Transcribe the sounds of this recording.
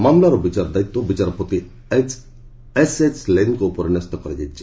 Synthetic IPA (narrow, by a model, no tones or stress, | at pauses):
maːmlaɾobit͡ʃaɾd̪ait̪ːobit͡ʃaɾpɔt̪i | eset͡ʃlenkoupɔɾnɐst̪ɔkɔɾed͡ʒat͡ʃi